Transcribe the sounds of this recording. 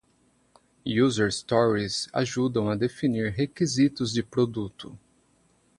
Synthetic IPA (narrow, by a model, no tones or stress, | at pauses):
juzeɾst̪ɔɾiza̰ʒud̪ɐ̃w̃ɐd̪efiniɾɦekizit̪ʊzd͡ʒɪpɾod̪ut̪ʊ